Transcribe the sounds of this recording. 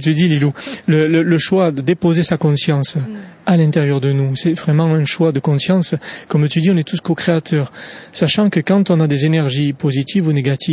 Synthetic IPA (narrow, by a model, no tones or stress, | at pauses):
t̪yd̪ililulələləʃwad̪əd̪epozesakɔ̃sjɑ̃salɛ̃t̪eʁjœʁd̪ənusɛvʁɛmɑ̃ɛ̃ʃwad̪əkɔ̃sjɑ̃skɔmt̪yd̪iɔ̃nɛt̪uskokχeat̪ʰœʁsaʃɑ̃kəkɑ̃t̪ɔ̃nad̪ezenɛʁʒipozit̪ʰivuneɡat̪ʰi